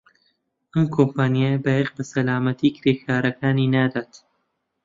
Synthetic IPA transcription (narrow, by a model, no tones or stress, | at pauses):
ʔɐmkʰompaːnijabɐjeq̚bɐsɐlaːmɐt̪ʰiːkʰɾeːxʰaːɾɐkʰaːniːnaːd̪aːt̪